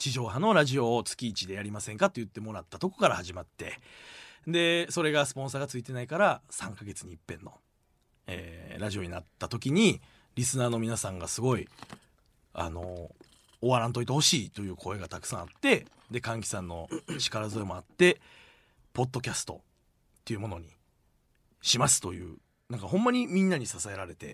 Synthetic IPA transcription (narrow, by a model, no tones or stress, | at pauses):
t͡ɕiʑo̞ːɦãno̞ɾaʑio̞t͡sɨ̥kʲiːt͡ɕid̪e̞jaɾʲimasẽ̞ŋkat̪o̞jɯ̟t̪ːe̞mo̞ɾat̪ːat̪o̞ko̞̥kaɾahaʑimat̪ːe̞ | nd̪e̞so̞ɾe̞ɡasɨ̥põ̞saːɡat͡sɨit̪e̞naikaɾasãŋkaɡe̞t͡sɨɲ̟iːpːẽ̞nːo̞ | ḛːɾaʑioɲ̟inat̪ːat̪o̞kʲiɲ̟i | ɾʲisɨnaːno̞mʲinasãŋɡasɨɡo̞i | a̰no̞̰ː | βaɾãnt̪o̞it̪eho̞ɕiːt̪o̞jɯ̟ːkʰo̞e̞ɡat̪akɯ̥sãat̪ːe̞ | d̪ekãŋk̬ʲi̥sãnːo̞ɕi̥kaɾazɨemo̞at̪ːe̞ | po̞d̪ːo̞kʲasɨ̥t̪o̞̰ | t̪ːe̞iɯ̟mo̞no̞ɲ̟i | ɕimasɨ̥t̪o̞jɯ̟̰ː | nãŋkaɦõ̞mːaɲ̟imʲĩnːaɲ̟isasae̞ɾaɾe̞t̪e̞̰